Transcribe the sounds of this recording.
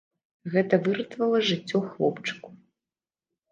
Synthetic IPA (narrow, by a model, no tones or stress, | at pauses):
ɣɛt̪ɐvɨɾɨt̪vɐlˠɐʐɨt͡sʲːɔxlˠɔpt͡ʂɨ̥ku̥